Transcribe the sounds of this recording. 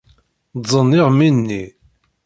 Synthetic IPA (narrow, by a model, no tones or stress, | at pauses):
dzˤːənːɪʁminːi